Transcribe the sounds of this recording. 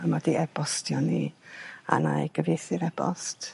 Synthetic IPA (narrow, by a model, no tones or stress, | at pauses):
əmɔdiɛb̥ɔstʰjɔni | a̰najɡ̥əveθɪɾɛb̥ɔ̰st